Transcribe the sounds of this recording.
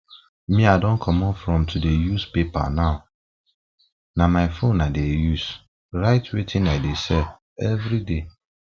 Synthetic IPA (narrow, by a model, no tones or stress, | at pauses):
mĩadɔ̃nkʰɔmɔ̃nfɾɔ̃mtʰudejuspepa̰naʊ | nãmaɪfõnːãdejus | ɹaɪtʰwetʰĩnaɪdesɛ | ɛvɾide